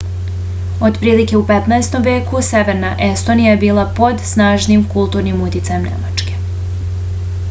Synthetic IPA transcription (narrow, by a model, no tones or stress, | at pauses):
o̞d̪pɾiːlike̞upet̪naest̪o̞mʋje̞ːkuse̞ʋeɾnaʔe̞st̪o̞nijaje̞biːlˠapo̞d̪snaːʒnimkulˠt̪uːɾnimut̪it̪sajemnḛma̰t͡ʃke̞